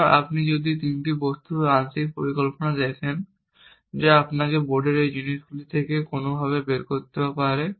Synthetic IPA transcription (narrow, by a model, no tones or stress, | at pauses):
a̰pnid͡ʑod̪it̪inʈibost̪uant̪ikpoɾikolponad̪ɛkʰen | d͡ʑeapnakeboɾɖeɾejd͡ʑiniʃɡulit̪ʰekekonobʱaβebeɾkoɾt̪eapaɾe